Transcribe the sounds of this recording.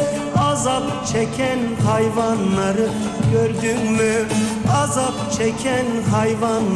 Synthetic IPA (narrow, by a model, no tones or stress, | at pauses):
ɑzap | t͡ʃʰɛcʲʰænɦɑjvanːaɾɯ | ɟøɾd̪ynmyazapt͡ʃʰɛcʲʰænɦajvan